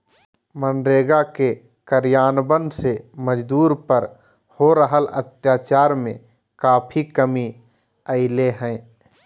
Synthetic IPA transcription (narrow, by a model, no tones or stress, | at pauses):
mənɾeːɡake | kəɾjaːnbənseməd͡ʒd̪uːɾpəɾ | hoɾəɦələ̰t̪jaːt͡ʃaːɾmẽ | kaːpʰikəmi | əɪleɦɛ̃